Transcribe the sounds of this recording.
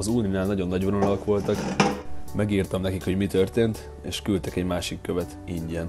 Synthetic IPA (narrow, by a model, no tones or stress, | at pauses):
ɒzuːninaːlnɒɟo̞nːɒɟʋononɒlɒkʋo̞lt̪ɒk | mɛɡiːrt̪ɒmnɛkikhoɟmit̪ørt̪eːnt̪ | eːʃkylt̪ɛkɛɟmaːʃikːø̞vɛt̪iɲɟɛn